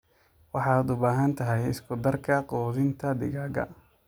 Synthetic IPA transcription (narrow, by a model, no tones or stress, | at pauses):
wɑħɑːd̪ʊbaːɦɐnt̪ʰɐɦɛjɪskʰʊd̪ɐrkʰɐqɔːðɪnt̪ʰɐd̪ɪ̰ɣaːɡɐ̰